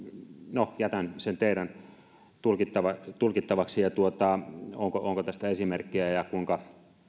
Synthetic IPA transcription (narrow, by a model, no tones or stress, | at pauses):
nojæt̪ænsent̪eiɾæn | t̪ulkit̪ːɑʋɑt̪ulkit̪ːɑʋɑksijɑt̪uot̪ɑoŋkoʔoŋkot̪æst̪æesimerkːiæjɑkuiŋkɑ